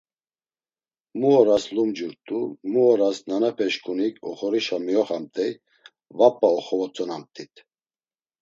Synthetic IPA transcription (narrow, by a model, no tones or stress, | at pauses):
muɔɾaslumd͡ʒuɾt̪ʼumuɔɾasnanapʰɛʃkʰʼunikʰʼɔχɔɾiʃamiɔχamt̪ʼɛj | vapʼːaɔχɔvɔt͡sʼɔnamt̪ʼit̪ʰ